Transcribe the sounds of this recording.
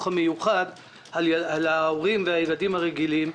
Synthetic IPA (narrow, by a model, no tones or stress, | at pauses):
χamejuχad | alaalaoʁimveajeɡadimhaʁeɡilim